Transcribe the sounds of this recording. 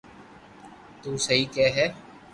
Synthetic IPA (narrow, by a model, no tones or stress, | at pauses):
t̪uːsɐɦiːkɛːɦɛː